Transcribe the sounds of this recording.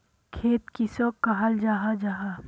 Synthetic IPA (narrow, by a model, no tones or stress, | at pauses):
kʰeːt̪kisoːkaɦəld͡ʒaːɦad͡ʒaːɦa